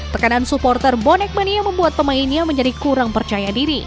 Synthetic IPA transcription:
t̪əkanansupɔrt̪ərbɔnɛk̚maniaməmbuat̪̚pəmainɲaməɲd͡ʒadikuɾaŋpərt͡ʃajadiɾi

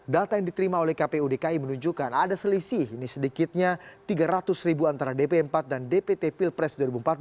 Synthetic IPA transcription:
dat̪ajaŋdit̪əɾimaolɛhkapeudekaimənuɲd͡ʒukanadasəlisiːnisədikɪt̪̚ɲat̪iɡaɾat̪ʊsribuant̪aɾadepeəmpat̪̚dandepet̪epilpɾɛsduaɾibumpat̪̚

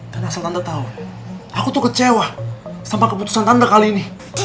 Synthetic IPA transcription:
kanasalt̪andat̪auakut̪ukət͡ʃewasampakəput̪u̥sant̪andakaliːni

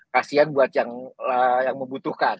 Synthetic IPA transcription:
kasianbuat̪̚jaŋlajaŋməmbut̪uhkan

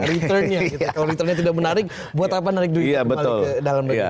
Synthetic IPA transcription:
ɾiərnɲaitakaloɾit̪ərɲat̪idak̚mənaɾɪk̚ | buat̪ap̬anaɾɪk̚dujabət̪ʊldalamua̰

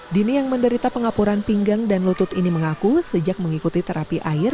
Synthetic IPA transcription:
dinijaŋməndəɾit̪apəŋapuɾanpiŋɡaŋdanlut̪ʊt̪iniməŋakusəd͡ʒak̚məŋikut̪it̪əɾapiʔaɪr

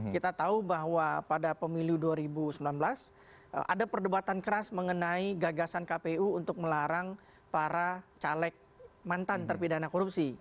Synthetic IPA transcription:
kit̪at̪aubaɦwapadapəmiluduaɾibusəmbilanbəlas | ʔa̰dapərdubat̪ankəɾasməŋənaiɡaɡasankapeuːnt̪ʊk̚məlaɾaŋ | paɾat͡ʃalɛk̚mant̪ant̪ərpidanakɔɾupsi

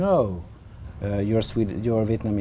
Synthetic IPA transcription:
oʊ | jɔɹswidjɔɹviɛtnãm

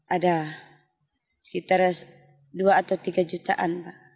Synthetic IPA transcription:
ada | sɛ̥kit̪aɾs | duaːt̪awt̪iɡad͡ʒut̪a̰ʔanpaʔ

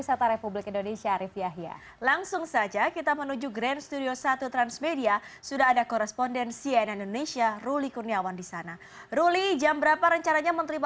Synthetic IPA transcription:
isat̪aɾepublɪkindonesiaɾifiaɦia̰ | laŋsʊŋsad͡ʒakit̪amənud͡ʒuɡɾɛnst̪udiosat̪ut̪ɾansmediasudaɦadakoɾɛspondɛnsiɛnindonesiarulikurniawandisana | rulid͡ʒambəɾapaɾəɲt͡ʃaɾaɲamənɾima

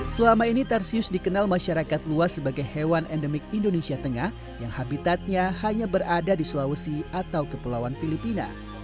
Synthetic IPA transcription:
səlamainit̪ɛrsiʊsdikənalmaʃaɾakat̪̚luasəbaɡajhewanʔɛndəmɪk̚indonesiat̪əŋah | jaŋhabit̪at̪̚ɲahaɲabəɾadadislawəsiat̪awkəpəlawanfilipina̰

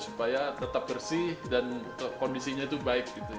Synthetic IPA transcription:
supajat̪ət̪ap̚bərsihdankkondisiɲait̪ubaɪk̚ɡit̪u

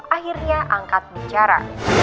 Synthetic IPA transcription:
ahirɲaʔaŋkat̪̚biɲt͡ʃaɾa̰

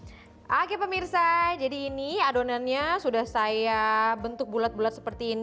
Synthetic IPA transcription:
ʔakɛpəmirsad͡ʒadiːniadonanɲasudahsaiabənt̪ʊk̚bulat̪̚bulat̪sə̥pərt̪iːn

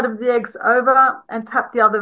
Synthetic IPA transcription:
ɾʌvðiɛɡzo̰ʊvə˞ʔɨ̃ntʰʌp̚ðiʌðə

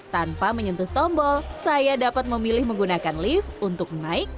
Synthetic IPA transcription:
t̪anpaməɲənt̪ʊht̪ɔmbɔlsajadapat̪̚məmilɪhməŋɡunakanlɪfunt̪ʊk̚naɪk̚

